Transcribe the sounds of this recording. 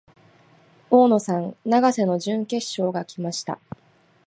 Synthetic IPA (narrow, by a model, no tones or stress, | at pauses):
oːno̞sãnnaɡase̞no̞ʑɨ̃ŋke̞ɕːo̞ːɡakʲimaɕi̥t̪a̰